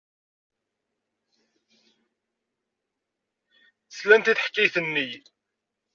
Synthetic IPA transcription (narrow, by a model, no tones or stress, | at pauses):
θəslænt̪iθħə̥kːijθənːi